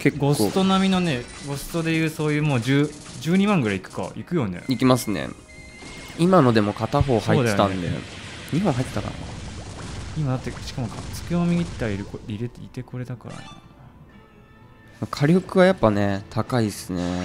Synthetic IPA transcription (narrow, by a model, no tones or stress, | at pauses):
ke̞kɡo̞sɨt̪o̞namʲino̞ne̞ɡo̞sɨ̥t̪o̞d̪e̞jɯ̟ːso̞ːjɯːmo̞ːd͡ʑɨː | d͡ʑɨːɲ̟imãŋɡɯ̟ɾaikɯ̟̥ka̰ikɯ̟jo̞ne̞̰ikʲimasɨnḛ | imano̞d̪e̞mo̞kat̪aɦo̞ːhaiod̪aejot̪ːãnd̪e̞̰ɲ̟iɦõɰ̃ɦait̪et̪aka̰ɾa̰ | imad̪at̪ːeɕi̥kamokʰat͡sɨ̥keomʲiɡʲit̪ːaiɾɯkoɾʲiɾet̪it̪e̞ko̞ɾe̞d̪aka̰ɾa̰nḛ | makʰaɾʲoɯkɯ̟βajapːane̞t̪ʰakaisɨne̞